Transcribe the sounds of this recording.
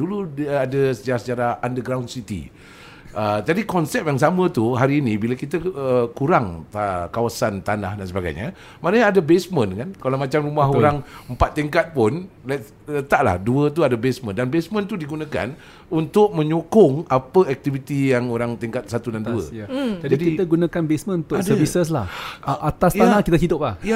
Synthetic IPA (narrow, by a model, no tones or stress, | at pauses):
duluadəsəd͡ʒaɾahsət͡ʃaɾahandəɡɾawndsit̪ḭ | əd͡ʒadikɔnsɛp̚jaŋs̬amə̃t̪uɦaɾiːnibiləkit̪əəkuɾaŋkawasant̪anahdansəbaɡa̰jɲa̰ | manəɲaːdəbesmə̃nkankalamat͡ʃamɾumaɦoɾaŋəmpat̪ːiŋkat̪̚pʊnla | t̪aʔla̰hduət̪̬uadabesmə̃ndanbesmə̃nt̪udiɡunãka̰n | unt̪ʊk̚mə̃ɲokʊŋapəɛk̚t̪ivit̪ijaŋoɾaŋt̪iŋkat̪̚sat̪udanduə̰d͡ʒadidikiəɡunãkanbesmə̃nnt̪ʊsdəvisəs̬lahʔat̪asj̪anahkit̪ət͡ʃidʊp̚lahja